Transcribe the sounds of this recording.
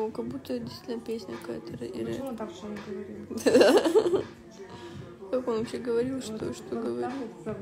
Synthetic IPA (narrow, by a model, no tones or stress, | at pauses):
kɐɡ̚but̪ːədʲɪst̪ʲitʲlʲnəpʲesʲnʲə̰kɐka̰jət̪əɾ̰ḭɾ̰ | ɡid̪ad̪a | kakonvɐpɕeɡəvɐɾʲilˠʂt̪oʂt̪oɡəvɐɾʲii